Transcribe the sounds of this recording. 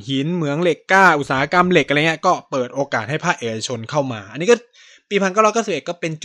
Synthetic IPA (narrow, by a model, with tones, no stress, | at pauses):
hi˨˩˦nmɯ˩˦əŋle˨˩kːaː˥˩ʔu˨˩t̪̚saː˩˦a˦˧ka˧mle˨˩k̚ʔŋː˦˥˧kɔː˥˩pɤː˨˩t̪̚ʔoː˧kaː˨˩t̪̚ha˥˩pʰaː˥˩k̚ʔe˧ka˧t͡ɕʰo˧nkʰa˥˩wma̰ː˧ʔa˧nːiː˦˥kɔ˥˩ | piː˧pʰa˧nkaː˥˩wɾɔ˥kʰːsʔe˨˩t̪̚kɔː˥˩pe˧nt͡ɕ